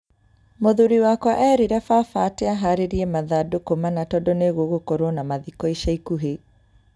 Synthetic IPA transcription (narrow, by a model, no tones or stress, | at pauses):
moðuɾiwakwaʔɛɾiɾɛfafateaɦaɾeɾiɛmaðadokomanatɔdɔneɣoɣokɔɾonamaðikɔiʃaikuɦe